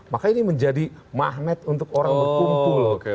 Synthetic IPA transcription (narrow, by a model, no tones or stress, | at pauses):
makainiməɲd͡ʒadimaɦnɛt̪unt̪ʊkoɾaŋbərkumpul